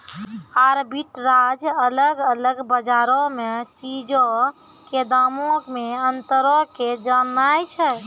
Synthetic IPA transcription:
aɾbiʈɾad͡ʒələɡələɡbəd͡ʒaɾɔmet͡ʃid͡ʒɔ | ked̪amokmeənt̪əɾɔked͡ʒanːajt͡ʃʰɛ

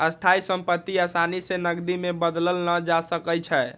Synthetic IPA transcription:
əst̪ʰaisəmpət̪ːiasanisenəɡd̪imebəd̪ləlnəd͡ʒasəkət͡ʃʰɛ

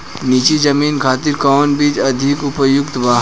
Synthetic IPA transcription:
niːt͡ʃizɐmiːnkʰaːt̪ɪɾkɔːnbiːt͡ʃɐd̪ʱɪkʊpjʊkt̪ʋaː

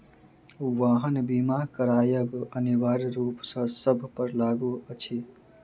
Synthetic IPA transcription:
ʋaːɦənbiːmaːkəɾaːjəɡəniwaːɾɾuːpsə̃səbʱpəɾlaːɡuət͡ʃʰi

